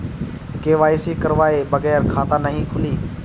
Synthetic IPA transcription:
keːʋaːiːseːkəɾʋaːeːbəɣɛːɾkʰaːt̪aːnəɦĩːkʰʊliː

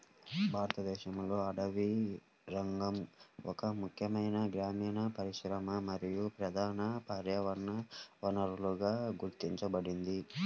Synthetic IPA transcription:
bʱaːɾɐt̪ɐd̪ɛːʃɐmlo̞ːɐɽɐʋi | ɾɐŋɡɐmɔkɐmukʰjɐmɐjnɐɡɾaːmiːnɐpɐɾiʃɾɐmɐmɐɾijupɾɐd̪ʱaːnɐpaːɾjɐʋɐɾɳɐʋɐnɐɾuluɡaːɡuɾt̪iɲt͡ʃɐbɐɽind̪i

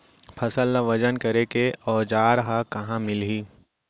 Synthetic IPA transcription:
pʰɐsəlːaʋɐd͡ʒənkɐɾekeɔːd͡ʒaːɾɦakɐɦãmɪlɦiː

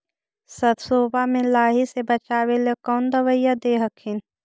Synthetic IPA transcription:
sət̪soːbamẽlaːɦisebət͡ʃaːwelekɔːnd̪əʋəjːad̪eːɦəkʰin

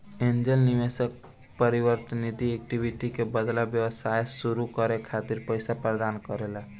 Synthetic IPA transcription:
end͡ʒelniʋesək̚ | pəɾiʋəɾt̪nid̪iek̚ʈibʱiʈikebəd̪labjəwəsajsuɾukəɾekʰat̪iɾpəɪsapɾəd̪ankəɾela

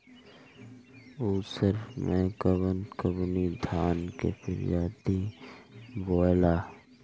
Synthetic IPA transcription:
uːsəɾmẽkəbənkəbnid̪ʱaːnkḛpʰɪ̰ɾjaːd̪i | boːjlaː

